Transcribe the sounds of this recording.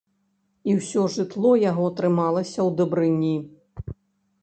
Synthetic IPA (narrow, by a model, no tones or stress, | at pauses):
iwsʲɔʐɨt̪lˠɔjaɣɔt̪ɾɨmalˠɐsʲɐwd̪ɨbɾɨnʲːi